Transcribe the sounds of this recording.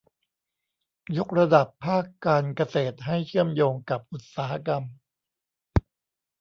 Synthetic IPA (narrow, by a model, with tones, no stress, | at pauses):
jo˦˥k̚ɾa˧da˨˩pʰːaː˥˩kːaː˧nka˧seː˨˩t̪̚ɦa˥˩jt͡ɕʰɯ˥˩əmjoː˧ŋka˨˩p̚ʔu˨˩t̪̚saː˩˦ha˦˧ka˧m